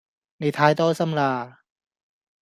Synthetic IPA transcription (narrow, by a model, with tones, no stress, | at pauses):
ni˧˨˩t̪ʰaː˧jt̪ɔː˥˩sa˧˨mlaː˧˩